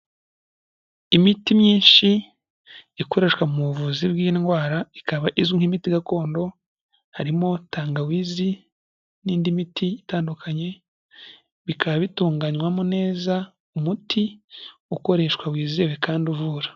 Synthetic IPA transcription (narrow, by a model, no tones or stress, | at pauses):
imitimɲiːnʃi | iko̞ɾe̞ʃwamuβuvuzibɡiːnɡwaːɾaikaβaʔizwiŋ̥himitiɡako̞ːndo̞ | haɾimo̞taːŋɡawiːzi | niːndimitiːtaːndukʰaɲe̞ | βikʰaβaβituːŋɡaɲwamone̞ːza | umutʰiuko̞ɾe̞ʃkwawiːzeβekaːnduvuɾa